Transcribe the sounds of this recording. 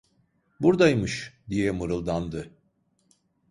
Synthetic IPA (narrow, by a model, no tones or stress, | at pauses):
buɾd̪ajmɯʃd̪ijɛmɯɾɯlˠd̪and̪ɯ